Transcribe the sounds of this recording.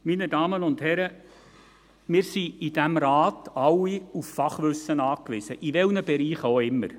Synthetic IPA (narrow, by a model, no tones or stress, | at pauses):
minədɑːmənʊndhɛɾə | mɪːɾsiid̥æmɾɑːtɑlːiuffɑχʋʏsənɑːkʋɪsəʔiʋɛlnəb̥ɛɾiːχoɪmːə̰ɾ